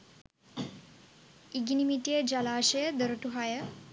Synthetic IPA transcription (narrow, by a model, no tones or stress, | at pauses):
iɡinimiʈijəd͡ʒalaːʃəjəd̪əɾəʈuɦajə